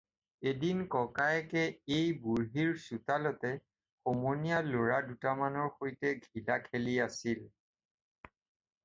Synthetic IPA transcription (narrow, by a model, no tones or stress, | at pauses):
edinkɔkajkɛejbuɹɦiɹsutalɔtɛ | xɔmɔnijaloɹadutamanɔɹxojtɛɡʱilakʰeliasil